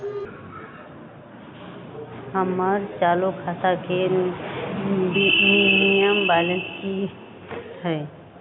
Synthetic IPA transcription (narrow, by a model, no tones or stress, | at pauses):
həməɾt͡ʃaːlokʰat̪ake | ninijəmbalə̃nski | hɛ